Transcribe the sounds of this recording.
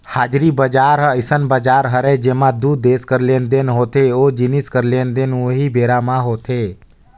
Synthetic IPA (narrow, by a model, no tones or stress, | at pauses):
haːd͡ʒɾibəd͡ʒaːɾɦəɪsənbəd͡ʒaːɾɦəɾed͡ʒemãd̪ud̪eːskəɾlend̪enɦoːt̪eod͡ʒiniskəɾleːnd̪enuɦibeːɾamãɦoːt̪ʰe